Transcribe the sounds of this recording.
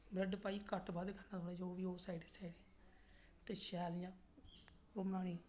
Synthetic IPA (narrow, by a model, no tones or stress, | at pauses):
bɾəɖpaːiːkəʈbad̪kʰənaːsoːɽẽːd͡ʒooːʋiːoːsaːiɖesaːiɖe | t̪eːʃɛːljãː | omaːɽiː